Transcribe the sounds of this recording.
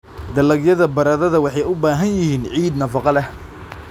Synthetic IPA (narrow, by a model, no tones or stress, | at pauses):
d̪ɐlɐɡjɐðɐbɐɾɐðɐðɐwɑħɑjʊbaːɦɐnjɪhiːnʕiːd̪nɐfɑqɑlɛh